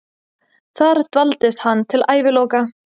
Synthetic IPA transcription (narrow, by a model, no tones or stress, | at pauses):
θaɾ̥t̪valt̪ɪst̪hanːt̪ʰɪlaːjvɪlɔːka